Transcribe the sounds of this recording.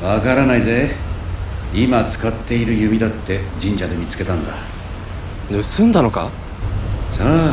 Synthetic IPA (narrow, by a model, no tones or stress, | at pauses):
βakaɾanaize̞ | imat͡sɨ̥kat̪ːe̞iɾɯ̟jɯ̟mʲid̪at̪ːe̞d͡ʑĩɲ̟d͡ʑad̪e̞mʲit͡sɨ̥ke̞t̪ãnd̪a | nɯ̟sɨ̃nd̪ano̞ka̰ | saː